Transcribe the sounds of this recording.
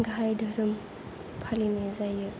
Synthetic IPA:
ɡɦajdɯɾɯm | pʰalinezajɯ

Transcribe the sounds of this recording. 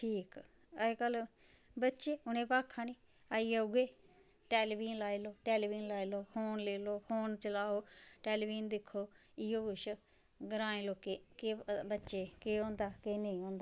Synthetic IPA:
ʈʰiːk | əkəl | bətːʃeːʊnẽːpaːkʰːãːniː | aːiːauɡeː | ʈeːlibiːnlaːiloːʈeːlːbiːnlaːiloːhoːnleːloːhoːnt͡ʃəlaːoːʈeːlibiːnd̪ɪkʰːoːɪjoːɡʊʃ | ɡəɾãːẽːloːkeːkeːbətːʃeːkeːõːnd̪aːkeːneĩːõːnd̪aː

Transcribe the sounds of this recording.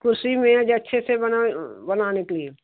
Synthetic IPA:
kʊɾsimẽd͡ʒɐtːʃʰesebbənaːnekelie

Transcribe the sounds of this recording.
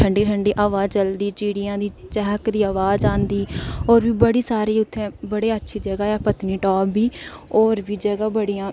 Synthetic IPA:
əɳɖiːʈʰəɳɖeːʔaːʋaːt͡ʃəld̪iːt͡ʃiːɽijãːd̪iːt͡ʃɛɦəkd̪iːaːʋaːzãːnd̪iːɔːɾʋiːbəɽiːsaːɾiːʊt̪ʰːẽːbəɽeːətːʃʰiːd͡ʒəɡaːɛːpət̪niːʈɔːbːiː | ɔːɾʋiːd͡ʒəɡaːbəɽiːãː

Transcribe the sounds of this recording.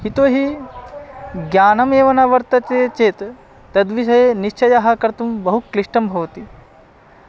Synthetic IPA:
hit̪oːɦi | ɡjaːnɐmeːʋɐnaʋɐɾt̪ɐt͡ʃeːt͡ʃeːt̪ | t̪ɐd̪ʋiʃ̬ɐjeniʃt͡ʃɐjaɦɐ̆kɐɾt̪umbɐɦukliʂʈɐmbʱɐʋɐt̪i

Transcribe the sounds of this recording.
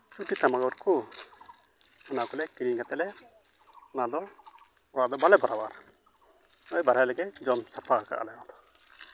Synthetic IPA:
t͡ʃuʈit̪amaɡɔɾku | ɔnakɔlɛkiɾiŋɡat̪ɛlɛ | ɔnad̪ɔ | ɔɽad̪ɔbalɛbaɾabaɾ | nɔjbaɾajlɛɡɛd͡ʒɔmsapʰaka̰ʔa̰lɛjwad̪ɔ̥

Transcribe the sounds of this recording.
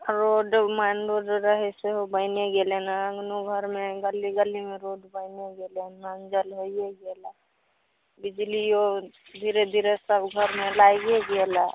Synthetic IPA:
ɾoɖmanɾoɖɾəɦɛseɦobəɪneɡelenaəŋɡnuɡʱəɾmeɡəlːiɡəlːimeɾoɖbəɪneɡelenənd͡ʒəlɦojeɡela | bid͡ʒliod̪ʱiɾed̪ʱiɾesəkbʱəɾmelajɡeɡela

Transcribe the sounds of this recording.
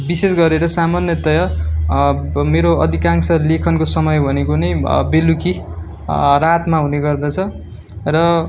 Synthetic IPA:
bisesɡʌɾeɾʌsamanjʌt̪ʌjʌ | meɾoʌd̪ʱikaŋsʌlekʰʌnkosʌmʌjbʱʌnekonʌjbeluki | rat̪maɦuneɡʌrd̪at͡sʰʌ | rʌ

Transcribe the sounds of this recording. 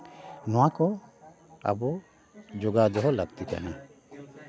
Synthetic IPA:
nɔwakɔ | a̰bɔ | d͡ʒoɡad̪ɔɦɔlaɡt̪it̪a̰ɦã̰

